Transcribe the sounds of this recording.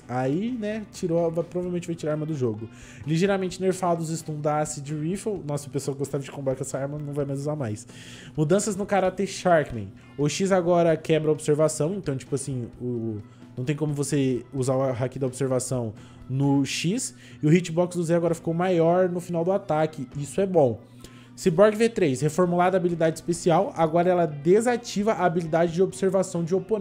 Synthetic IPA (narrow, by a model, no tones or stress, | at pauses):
ainɛt͡ʃiɾoɐvapɾovavewmẽnt͡ʃɪvajt͡ʃiɾaaɾmɐd̪ʊʒoɡʊ | liʒeɾamẽnt͡ʃɪneɾfad̪ʊzɪst̪ũnd̪asɪd͡ʒɪɾifewnɔsʊpesoaɐɪɡost̪avɐd͡ʒɪkõpbɾakɛsɐaɾmɐnɐ̃w̃vajmajzuzamajs | mud̪ɐ̃sɐznʊkaɾat̪eɾʃaɾkmḛ̃j̃ | ʊʃizaɡɔɾɐkɛbɾɐobseɾvasɐ̃w̃ẽnt̪ɐ̃w̃t͡ʃi̥pʊasĩʊ | nɐ̃w̃t̪ẽj̃kõmʊvoseuzaʊaɦakid̪ɐobiseɾvasɐ̃w̃ | nʊʃis | ɪʊhit͡ʃɪbɔksd̪ʊzeaɡɔɾɐfi̥kowmajɔɾnʊfinawd̪ʊat̪akɪisʊɛbõw̃ | sɪbɔɾɡɪvet̪ɾejshefoɾmulad̪ɐaːbilid̪ad͡ʒɪispesiawaɡɔɾɐɛlɐd̪ezat͡ʃivɐʔaːbilid̪ad͡ʒɪd͡ʒɪobiseɾvasɐ̃w̃d͡ʒɪopon